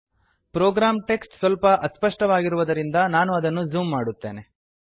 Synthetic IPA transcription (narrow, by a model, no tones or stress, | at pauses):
pɾoːɡɾaːmʈe̞ksʈsʋɐlpɐʔɐspɐʂʈɐʋaːɡiɾuʋɐd̪ɐɾind̪ɐnaːnuɐd̪ɐnːud͡ʒuːmːaːɽut̪ːe̞ːne̞